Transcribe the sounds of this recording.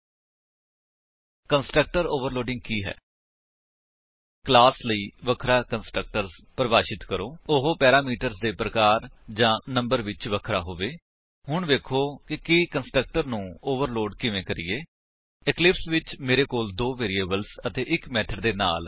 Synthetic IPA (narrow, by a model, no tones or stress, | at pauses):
kənsʈək̚ʈəɾoːʋəɾloːɖɪ̃ŋɡ̚kiːɦɛ̰ː | klaːsləiːʋəkʰɾaːkənsʈək̚ʈəɾzpɾəbaːʃɪt̪kəɾoːʊɦoːpɛːɾaːmiːʈəɾzd̪eːpɾəkaːɾd͡ʒãːnə̃mbəɾʋɪt͡ʃʋəkʰɾa̰ːɦoːʋeː | ɦʊɳʋeːkʰoːkɪkikənsʈək̚ʈəɾnũːoːʋəɾloːɖkɪʋẽːkəɾiːeː | ɪklɪpsʋɪt͡ʃmeːɾeːkoːld̪oːʋeːɾieːbəlzət̪eːʔɪkmɛːʈʰəɾd̪eːna̰ːl